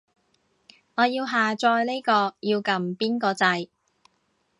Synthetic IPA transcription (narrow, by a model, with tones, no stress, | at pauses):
ŋɔː˨˧jiː˧wɦaː˨˩t͡ʃɔː˧jle˥jkɔː˧jiː˧wkɐ˨mpiː˥nkɔː˧t͡sɐ˧j